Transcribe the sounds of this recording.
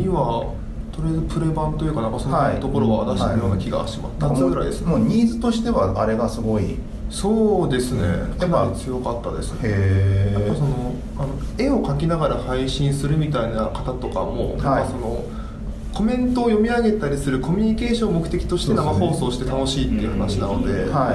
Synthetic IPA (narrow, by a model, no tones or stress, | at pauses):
ɲiβa | so̞ɾeːzɨpɯ̟ɾe̞bãnt̪o̞jɯ̟kanãŋkasoiɯt̪o̞ko̞ɾoɡaad̪aɕieeɾɯjoːnakʲiɡa̰ɕima̰t̪ːaɡɯɾa̰id̪esɨ̥moːɲ̟iːzɨt̪o̞ɕi̥t̪e̞βaaɾe̞ɡasɨɡo̞i | so̞ːd̪e̞sɨne̞̰kʰanːaɾit͡sɨjo̞kat̪ːa̰d̪e̞sɨ̥eaaso̞no̞ | ano̞e̞o̞kakʲinaɡaɾahaiɕĩɰ̃sɨɾɯ̟mʲit̪ainakḁt̪at̪o̞ka̰mo̰ːnaãaso̞no̞ | ko̞mẽ̞nt̪o̞ːjo̞mʲiaɡe̞t̪aɾʲisɨɾɯ̟ko̞mʲyɲ̟ike̞ːɕõmmo̞kɯ̟̥t̪e̞kʲi̥t̪o̞ɕi̥t̪eamaho̞ːso̞ːɕi̥t̪e̞t̪ano̞ɕiːt̪ːe̞iɯ̟hanaɕinano̞d̪e̞̰ai